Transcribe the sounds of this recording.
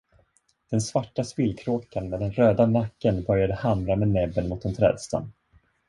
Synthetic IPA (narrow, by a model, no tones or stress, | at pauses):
d̪̥ɛnsvaʈːaspɪlkʰɾoːkanmɛːd̪ɛnɾøːd̪anakːənbœɾjad̪əhamɾamɛːd̪nɛbːənmʊt̪d̪ɛnt̪ʰɾɛ̰ːd̪st̪ʰa̰nː